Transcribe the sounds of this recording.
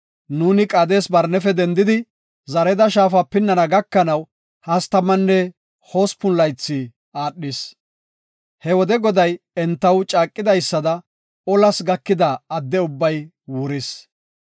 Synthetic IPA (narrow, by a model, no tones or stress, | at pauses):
nuːnɪkʼɐːd̪e̞ːsbɐɾnɛfɛd̪ɛnd̪ɪd̪ɪ | zɐɾɛd̪ɐʃaːfɐpɪnːɐnɐɡɐkːɐnɐw | hɐst̪ɐmːɐnːɛ | hoːspʊnlɐjt͡sːɪ | aːɗːɪs | hɛwɔd̪ɛɡɔd̪ɐj | ɛnt̪ːɐwt͡ʃʼaːkʼːɪd̪ɐjsːɐd̪ɐ | ɔlɐsɡɐkːɪd̪ɐːd̪ːɛʊbːɐj | wʊɾɪs